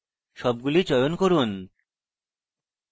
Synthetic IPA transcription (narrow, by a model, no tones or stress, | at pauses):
ʃɔb̚ɡulit͡ɕɔjonkoɾun